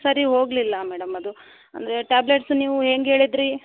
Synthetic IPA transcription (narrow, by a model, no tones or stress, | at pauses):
sɐɾiɦo̞ːɡlilːɐmɛːɽɐmɐd̪u | ɐ̰nd̪ɐɾeʈaːble̞ʈsniːʋuɦeːŋɡɦeːɭid̪ɾi